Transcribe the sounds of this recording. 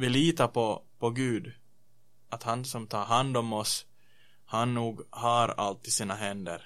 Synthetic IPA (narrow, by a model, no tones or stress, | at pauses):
vɪliːt̪apɔpɔɡʉ̟ːd̪ | at̪hansɔmt̪ʰɑːɾɦand̪ɔmɔs | hanːuːɡhaɾa̰lt̪ːɪsiːnaɦɛnd̪ə̰ɾ